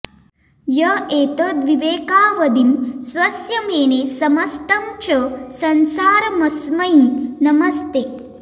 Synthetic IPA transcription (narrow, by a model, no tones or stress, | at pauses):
jɐeːt̪ɐd̪ʋiʋeːkaːʋɐd̪imsʋɐsjɐmeːnesɐmɐst̪ɐmt͡ʃɐsɐnsaːɾɐmɐsmɐinɐmɐst̪e